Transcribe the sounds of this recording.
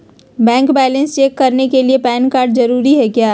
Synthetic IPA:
bɛ̃ːŋkbɛːlə̃nst͡ʃeːkːɐɾnekeliepɛːnkaːɾɖzɐɾuːɾiɦɛkjaː

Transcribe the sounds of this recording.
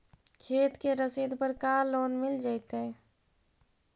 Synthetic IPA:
kʰeːt̪keɾəsed̪pəɾkaloːnmɪld͡ʒaɪt̪ɦɛ̃

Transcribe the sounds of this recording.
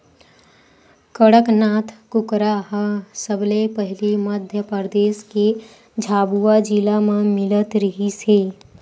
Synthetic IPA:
kəɽəknaːt̪ʰkʊkɾaɦə̃səblepəɦɪliməd̪ʱjəpəɾd̪eːske | d͡ʒʱaːbuad͡ʒilamẽmɪlət̪ɾəɦiseː

